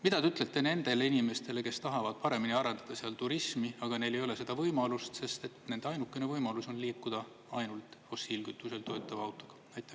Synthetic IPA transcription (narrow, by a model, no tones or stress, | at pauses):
mid̪̥ɑd̪eyt̪ˑlet̪ːˑe̞ne̞nd̪̥e̞le̞inime̞st̪e̞le̞ke̞st̪ɑɦɑvɑd̪̥̚pɑɾe̞miniɑɾend̪̥ɑd̪̥ɑseɑlt̪uɾismiɑɡ̥ɑne̞le̞jo̞le̞se̞d̪ɑvɤjmɑlust̪se̞st̪e̞t̪ne̞nd̪eɑjnukːˑe̞ne̞vɤjmɑluso̞nliːkːud̪̥ɑ | ɑjnult̪ˑfo̞sːilɡyt̪ːˑuse̞lt̪o̞et̪ːˑɑvɑwt̪ːˑo̞ɡ̥ɑ̥ | æjt̪ːˑæ